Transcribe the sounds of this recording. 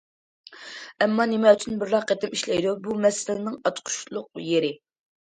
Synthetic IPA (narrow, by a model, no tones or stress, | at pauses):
ɛmːɑnɪmɛyt͡ʃʰynbɪɾːɑqet̪ɪmiʃlɛ̰jd̪ubumɛsɪlɪnɪŋɑt͡ʃ̪qʰʊ̥ʃlˠʊq̚jeɾɪ